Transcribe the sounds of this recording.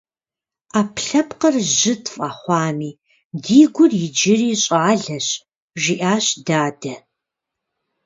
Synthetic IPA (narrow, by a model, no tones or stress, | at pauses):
aːpʰɬɐpqərʒɪtʰfʼɐχʷɑːmiː | diːɡʷʊrjɪd͡ʒɪriːɕʼaːɮɐɕ | ʒiʔaːɕdaːdɐ